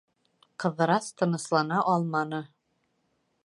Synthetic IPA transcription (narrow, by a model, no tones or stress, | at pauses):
qɤ̆ðɤ̆ɾɑst̪ɤ̆nɤ̆slˠɑnɑʔɒlˠmɑnɤ